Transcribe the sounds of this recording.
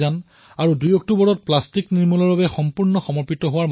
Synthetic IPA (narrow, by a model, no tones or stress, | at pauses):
an | aɹudujɔk̚tubɔɹɔt̚plastikniɹmulɔɹbabɛxɔmpuɹnɔxɔmɔɹpitɔɦʊwaɹm